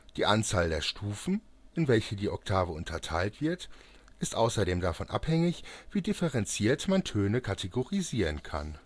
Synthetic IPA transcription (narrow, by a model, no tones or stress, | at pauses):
d̥iːʔant͡saːldeːɐʃtʰuːfn̩ | ʔɪnvɛlçədiːʔɔk̚tʰaːvəʊntʰɐtʰaɪltv̥ɪɐt | ʔɪstʔaʊsɐdeːmdafɔnʔa̰phɛŋɪçv̥iːdɪfɛʁɛnt͡siːɐtmantʰøːnəkʰatʰeɡoʁiziːʁənkʰa̰n